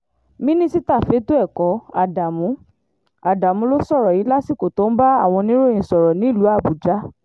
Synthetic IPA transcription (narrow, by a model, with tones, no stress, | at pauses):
mĩ˦nĩ˦si˦ta˦˨fe˨˦to˦ɛ˦˨kɔ˨˦a˧˨da˨mũ˨˦ | a˨da˨mũ˨˧˦lo˦sɔ˦˨ɾɔ˨ji˨˦la˦si˦˨ko˨to˨˦n̩˦ba˦a˦˨w̃ɔ̃˧nĩ˦ɾo˦ĩ˨sɔ˨ɾɔ˨nĩ˨˦i˦˨lu˨˦a˦˨bu˨d͡ʒa˨˦